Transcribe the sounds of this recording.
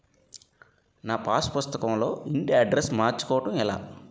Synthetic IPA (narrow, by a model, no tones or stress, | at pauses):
naːpaːspust̪ɐkɐmlo̞ːiɳɖiɐɖɾesmaːɾt͡ʃu̥kɔːʋɐʈɐmila̰ː